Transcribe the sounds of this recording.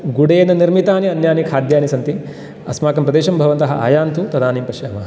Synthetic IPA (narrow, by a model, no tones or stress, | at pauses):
ɡuɽeːnɐniɾmit̪aːniɐnjaːnikʰaːd̪jaːnisɐnt̪i | ɐ̰smaːkɐmpɾɐd̪eːʃɐmbʱɐʋɐnt̪ɐɦɐa̰ːjaːnt̪ut̪ɐd̪aːniːmpɐʃaːmaː